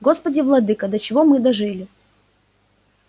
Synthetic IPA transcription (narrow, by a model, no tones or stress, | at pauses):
ɡo̞spədʲɪvlˠɐd̪ɨkəd̪ət͡ɕɪvo̞mɨd̪ɐʐɨlʲɪ